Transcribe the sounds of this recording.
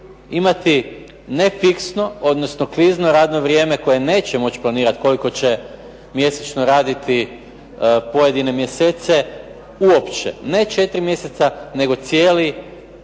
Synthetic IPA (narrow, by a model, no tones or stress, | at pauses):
imat̪i | ne̞fiksno̞o̞d̪no̞sno̞kliznoɾaːd̪no̞ʋɾje̞ːme̞ko̞je̞ne̞ːt͡ɕemo̞t͡ɕplˠaniːɾat̪ko̞liko̞t͡ɕe̞ | mje̞set͡ʃnoɾaːd̪it̪i | po̞je̞d̪ine̞mje̞seːt̪se̞ | uopt͡ʃḛne̞t͡ʃe̞t̪ɾimje̞set̪sane̞ɡo̞t̪sje̞ːli